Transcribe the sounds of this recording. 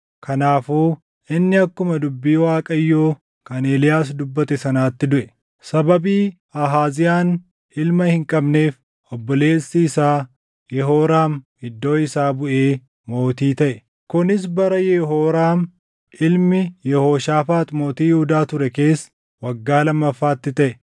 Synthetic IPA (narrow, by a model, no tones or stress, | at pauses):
kʰɐnaːfuː | ʔɪnːɪɐkːʊmɐd̪ʊbːiːwaːkʼɐjːoː | kɐneːlɪjaːsd̪ʊbːɐt̪ɛsɐnaːt̪ːɪd̪ʊʔɛ | sɐbɐbiː | ɐɦaːzɪjaːn | ɪlmɐhɪŋkʼɐbne̞ːf | ʔɔbːɔle̞ːsːiːsaː | jɛɦoːɾaːm | ɪd̪ːo̞ːɪsaːbʊʔe̞ː | mo̞ːt̪iːt̪ɐʔɛ | kʊnɪs̬bɐɾɐjɛɦoːɾaːm | ʔɪlmɪjɛho̞ːʃaːfaːt̪mo̞ːt̪iːjɪhʊd̪aːt̪ʊɾɛke̞ːs | wɐɡːaːlɐmːɐfːaːt̪ːɪt̪ɐʔɛ